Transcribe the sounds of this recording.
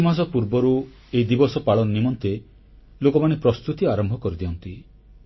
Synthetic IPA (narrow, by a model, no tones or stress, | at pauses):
imas̬ɔpuɾbɔɾu | eid̪ibɔsɔpaɭɔnɔnimɔnt̪e | lokɔmanepɾɔst̪ut̪iaɾɔmbʱɔkɔɾid̪iɔnt̪i